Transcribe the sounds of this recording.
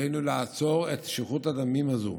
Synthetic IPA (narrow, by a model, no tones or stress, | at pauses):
ejnulaat͡so̞ʁet̪ʃiχutad̪amimazṵ